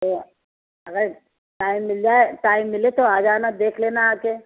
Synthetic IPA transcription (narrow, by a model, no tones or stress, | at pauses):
o | ɐɡəɾ | ʈaːɪmːɪld͡ʒaːeʈaːɪmːɪlet̪oaːd͡ʒaːnad̪eːkʰleːnaaːke